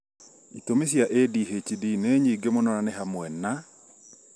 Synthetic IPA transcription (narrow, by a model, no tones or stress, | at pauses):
itomes̬jaʔediɦet͡ʃidineɲiɡemɔnɔɾanɛɦamwɛnːa